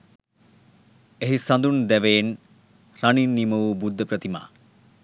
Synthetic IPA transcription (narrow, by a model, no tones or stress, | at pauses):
eɦisɐnd̪und̪ɛʋeːn | raninːiməubud̪ːəpɾət̪ima̰ː